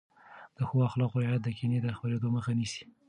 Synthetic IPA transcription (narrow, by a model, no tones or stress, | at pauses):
d̪̥əxowaxlɑqoajat̪̚d̪əkined̪əxbaɾed̪oməxanisi̥